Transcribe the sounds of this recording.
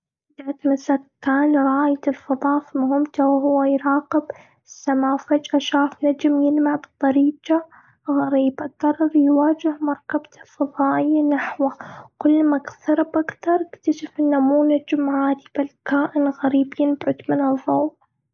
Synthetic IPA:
d̪aʕat̪masakːaːnɾˤɑːjat̪ɪlfɑðˤɑːfimʊɦɪmt̪awɦʊwːajɾɑːqɪb | sːamaːfad͡ʒʔaʃaːfnad͡ʒmjɪnmaʕbɨt̪ˤːɑɾiːd͡ʒa | ɣaɾiːbaɡɑrˤːɑɾjwaːd͡ʒɪhmɑɾˤkabt̪ʰalfɑðˤɑːʔɪjːanaħwakʊlːmakθɑɾˤɪbʔakt̪ɑɾˤɪkt̪aʃafʔɪnːamuːnad͡ʒmhaːd̪ib̥ɪlkaːʔɪnɣaɾiːbjɪnbʕʊd̪mɪnɨðˤːow

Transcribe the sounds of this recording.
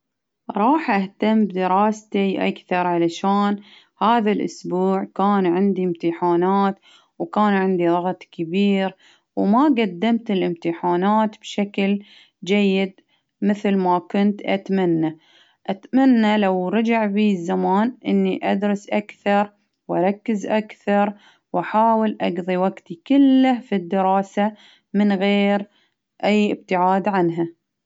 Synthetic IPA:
ɾˤɑːħʔaht̪amːbd̪ɪɾɑːst̪iʔa̰kθɑɾˤʕalaʃaːn | haːðalʔʊ̰sbuːʕkaːnʕɪnd̪iɪmt̪ɪħaːnaːt̪ | wkaːnʕɪnd̪ilɑɣt̪ˤkɪbiːɾ | wmaɡad̪ːamt̪ɪlʔɪmt̪ɪħaːnaːt̪b̥ʃakl | d͡ʒajːɪd̪̚ | mɪθlmakʊnt̪ʔa̰t̪manːa | ʔat̪manːalawɾˤɑd͡ʒaʕbiːzːamaːnʔɪnːiʔad̪ɾɨsʔakθɑɾˤ | wʔɑɾˤɑkːɪzʔakθɑɾˤ | wʔaħaːwɪlʔaɡðˤiwaɡt̪ikʊlːafid̪ːɪɾɑːsa | mɪnɣeːɾ | ʔajːɪ̰b̚t̪ɪʕaːd̪ʕanɦa

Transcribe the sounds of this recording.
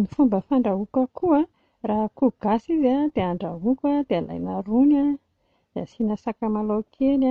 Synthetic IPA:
nifumbəfaɳɖ͡ʐaɦukəkʰuə | raɦkuɡ̥asizad̪̥eaɳɖ͡ʐaɦukʲad̪eala̰jnaɾuna | d̪̥easinasakamalowkʰena

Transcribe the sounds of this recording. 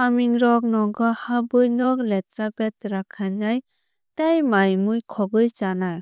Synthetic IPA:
amiŋɾɔk̚nɔɡɔhabɯjnɔkletɾabɛtɾakʰanŋaj | tajmajmujkʰɔɡɯjt͡ʃanaj

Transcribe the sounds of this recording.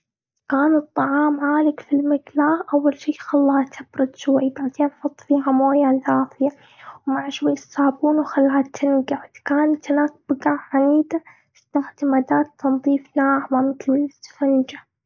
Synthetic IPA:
kaːnɨt̪ˤːɑʕɑːmʕaːlɪkfilmɪɡlaːʔawːalʃiːxɑlːɑːt̪ʰabɾʊd̪ʃwajb̪aʕt̪iːnfɑt̪ˤfiːɦamoːjaðaːfɪja | wmaʕʃwajːɪsaːbuːnwxalːaːt̪ʰːɪnɡaʕd̪kaːnat̪hɪnaːk̚b̥ɪɡaʕʕaniːd̪a | t̪aħd̪amad̪aːt̪ʰːɑnðˤiːfnaːʕmamɪt̪llt̪fand͡ʒa

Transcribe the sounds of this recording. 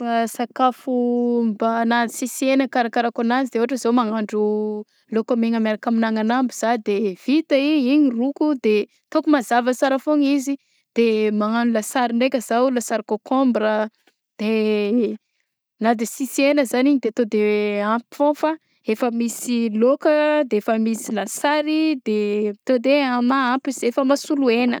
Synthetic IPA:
fasakafumbanad̪isisienəkaɾakaɾakanazid̪eoaʈ͡ʂəzomaŋaɳɖ͡ʐu | lokomeŋəmeɾakaminaŋanambiz̥ad̪ev̥it̪əiɲiɲirukud̪e | t̪okumazavəsaɾəfoŋizi | d̪̥emaŋanulasaɾinekʲəzalasaɾikokombɾə | d̪̥e | nad̪isisienəzaniɲid̪et̪od̪ewampi̥fõfa | efəmisilokəd̪eefəmisilasaɾid̪et̪od̪eanaampizefəmasuluenə̰

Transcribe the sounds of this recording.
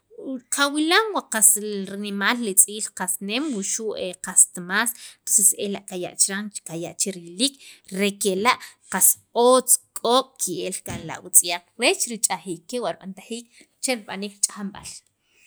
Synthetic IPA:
qawilamwaqasɾinimaːllit͡sʼiːlqasnemwuʃuʔeqast̪mast̪oseselaʔkaja̰ʔt͡ʃɾaŋkajaʔt͡ʃeɾilikɾekelaʔqas | oːt͡skʼoːɓʼkʰielkʼanla̰ʔwut͡sʼijaq͡χɾet͡ʃɾit͡ʃʼaxiːkːewaɾɓa̰nt̪axiːk̚ | t͡ʃeɾiɓaniːkɾt͡ʃʼaχamɓa̰l

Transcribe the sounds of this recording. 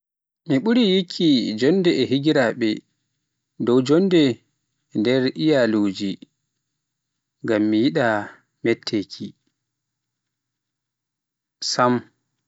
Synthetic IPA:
miɓuɾijikʰːid͡ʒɔndɛʔɛɦiɡiɾaɓɛ | dɔwd͡ʒɔndɛ | ndɛɾʔijaloːd͡ʒi | ŋɡamːijiɗa | mɛtʰːekʰi | sam

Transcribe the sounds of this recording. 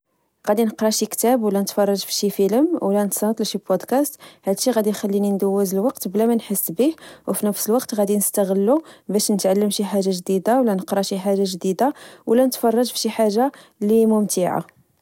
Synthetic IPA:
ɣæd̪inəqɾˤɑʃikt̪æbwlænət̪fɑrˤːɑʒfiʃifələmwlænət̪sɑnt̪ˤlʃibod̪kæst̪hæd̪ʃiɣæd̪ixælːinind̪əwːæzəlwɑqt̪blæmænħəsːbihwfinəfsəlwɑqt̪ɣæd̪inəst̪əɣəlːubæʃnət̪ʕalːəmʃiħaʒaʒd̪id̪awlænəqɾˤɑʃiħaʒːaʒd̪id̪awlænət̪fɑrˤːɑʒfʃiħaʒːa | limʊmt̪iʕa̰

